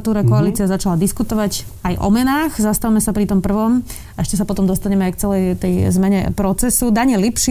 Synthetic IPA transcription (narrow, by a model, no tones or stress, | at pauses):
t̪uːɾakɔaliːt͡siazat͡ʃalad̪iskut̪ɔʋaɟ | ajʔɔ̰mɛnaːɣzast̪aʋmɛsapɾit̪ɔmpr̩ʋɔm | aɛʃcɛsapɔt̪ɔmd̪ɔst̪aɲɛmɛajkt͡sɛlɛjt̪ɛjzmɛɲɛ̰pɾɔt͡sɛsud̪aɲɪɛlipʃi